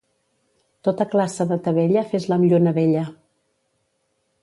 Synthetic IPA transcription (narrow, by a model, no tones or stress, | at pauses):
t̪ot̪əklasəðət̪əβ̞ɛʎəfezləmiʎonəβɛʎə